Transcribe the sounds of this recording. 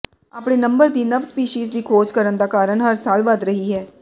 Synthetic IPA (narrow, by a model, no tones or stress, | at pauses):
aːpɽ̃eːnəmbəɾd̪iːnəʋspiːʃiːzd̪iːkʰoːzkəɾənd̪aːkaːɾəɳɦəɾsaːlʋəd̪ɾəɦiːɦɛː